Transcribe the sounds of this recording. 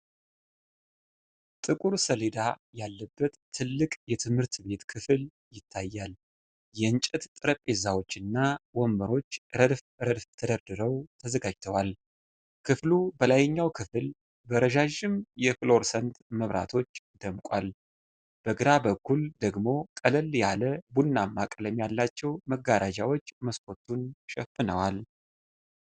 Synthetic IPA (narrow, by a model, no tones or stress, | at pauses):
t̪ʼɨkʼuɾsəled̪ajalːəbːət̪ʰːɨlːɨkʼjɛt̪ʰɨmhɨɾt̪be̞t̪kʰɨfɨl | jɪt̪ʰːajːal | jɛɨnt͡ʃʼɛt̪t̪ʼɨɾəpʼːe̞zawo̞t͡ʃːɨnːawomːəɾo̞t͡ʃːɾəd̪f | ɾəd̪ft̪ʰəd̪əɾd̪ɨɾəwt̪ʰəzəɡad͡ʒt̪ʰəwal | kʰɨflubəlajɛɲːawkʰɨfɨl | bəɾəʒaʒɪmjɛflo̞ɾsənt̪məβɾʔa̰t̪ʰo̞t͡ʃːd̪əmkʼwal | b̥əɡɨɾabəkːuld̪əɡmo̞kʼəlɨljaləbunːamːakʼləmjalːat͡ʃːɛwməɡaɾad͡ʒawo̞t͡ʃːməskʰo̞t̪ʰunʃɛfɨnəwal